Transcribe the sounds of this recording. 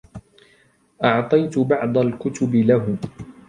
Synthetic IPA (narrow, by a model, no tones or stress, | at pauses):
ʔɑʕt̪ˤɑjt̪ʊbɑʕd̪ˤɑlkʊt̪ʊbɪlaɦʊ